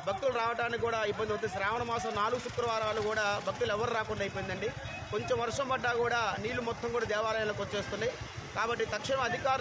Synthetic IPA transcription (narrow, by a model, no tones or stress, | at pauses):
bʱɐk̚t̪uluɾaːʋɐʈaːnːikkːuːɽaːibɐnd̪iɐt̪ːesɾaːʋɐɳɐmaːsɐmnaːluɡusukɾɐʋaːɾaːlukuːɽaːbʱɐk̚t̪ulɛʋːɐɾuɾaːkɔɳɖaːjip̬oːjnd̪ɐɳɖi | ko̞ɲt͡ʃomʋɐɾʂɐmbɐɖːaːkuːɽaːniːlumɔt̪ʰːɐmkuːɽaːd̪ɛːʋaːɾɐjnɐlɐkot͡ʃe̞ːst̪unːai | kaːbɐʈːit̪ɐkʂiɳɐmɐd̪ʱikaːɾ